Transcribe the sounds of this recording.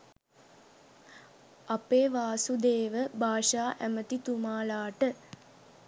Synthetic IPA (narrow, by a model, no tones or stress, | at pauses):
apeːʋaːsud̪eːʋəbʱaːʂaːʔæmət̪it̪umaːlaːʈə